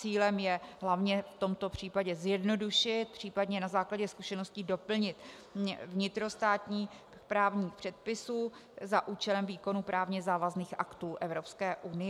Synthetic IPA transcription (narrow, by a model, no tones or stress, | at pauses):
iːlɛmjɛɦlavɲɛft̪o̞mt̪o̞pr̝̥iːpaɟɛzjɛdno̞duʃɪt̪̚pr̥iːpadɲɛnazaːklaɟɛskuʃɛno̞scɪdo̞pl̩ɲɪt̪ | vɲɪt̪ɾo̞st̪aːt̪ɲiː | pɾaːvɲiːxpr̥ɛt̪̚pɪsuː | zaʔuːt͡ʃɛlɛmviːko̞nuːpɾʔaːvɲɛzaːvazniːxʔa̰kt̪uːʔɛvɾo̞pskɛːʔunɪ